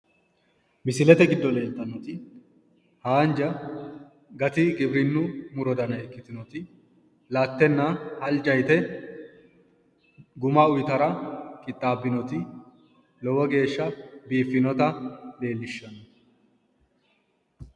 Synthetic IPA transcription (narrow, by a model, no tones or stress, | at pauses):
mɪsɪlɛt̪ɛɡɪd̪ːɔle̞ːlt̪ːɐnːɔt̪ɪ | haːnd͡ʒɐ | ɡɐt̪ɪɡɪbɾɪnːʊmʊɾɔd̪ɐnɐɛkːɪt̪ɪnɔt̪ɪ | lɐt̪ːɛnːɐhɐld͡ʒɐjt̪ɛ | ɡʊmɐʊjt̪ɐɾɐkʼɪt̪ʼːaːbːɪnɔt̪ɪ | lɔwɔɡe̞ːʃːɐbiːfːɪnɔt̪ɐle̞ːlːɪʃːɐnɔ